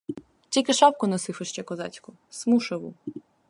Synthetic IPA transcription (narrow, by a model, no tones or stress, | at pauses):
tʲilʲkɪʃɑpkʊnɔsɪfeʃt͡ʃɛkɔzɑ̰t͡sʲkʊ | smuʃɐʋṵ